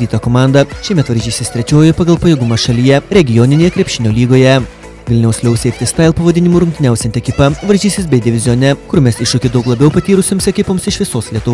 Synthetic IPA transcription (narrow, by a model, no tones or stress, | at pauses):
d̪ʲiːt̪ɐkomɑˑnd̪ɐʃʲɛɪmʲɛt̪ʋɐɾʲʒʲiːsʲɪst̪ʲɾʲɛt͡ʃʲoːjɛpɐɡɐlˠpɐjɛɡʊmɐʃɐlʲijɛɾʲɛɡʲɪjɔnʲɪnʲeːjɛkɾʲɛpʲʃʲɪnʲoːlʲiːɡoːjɛ | ʋʲɪlʲnʲɛʊsʲlʲɛʊsʲɛɪp̚ʲt̪ʲɪst̪ɐɪlˠpɐʋɐd̪ʲɪnʲɪmuːɾʊŋʲkt̪ʲɪnʲæʊsʲɛnt̪ʲɛkʲɪpɐʋɐɾʲʒʲiːsʲɪsbʲɛɪd̪ʲɪʋʲɪzʲjoːnʲɛkʊɾʊmʲɛsɪʃʊkʲɪd̪ɒʊklˠɐbʲɛʊpɐt̪ʲiːɾʊsʲoːmsɛkʲɪpoːmsɪʃʲʋʲɪsoːslʲiɛt̪ʊ